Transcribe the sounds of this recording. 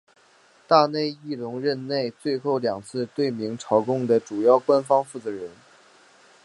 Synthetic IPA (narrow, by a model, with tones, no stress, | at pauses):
t̪a˥˧ne˥˧ɪi˥˩lʊ˧˥ŋɻə˥˧nne˥˧ɪt͡swe˥˧ɪxo˥˩ʊljɑ˨˩ŋt͡sʰɹ̩˥˧t̪we˥˩ɪmi˧˥ŋʈ͡ʂʰɑ˧˥ʊkʊ˥ŋd̪ə˨ʈ͡ʂu˨˩jɑ˥˩ʊkwa˥nfɑ˥ŋfu˥˩t͡sɤ˧˥ɻə˧˥n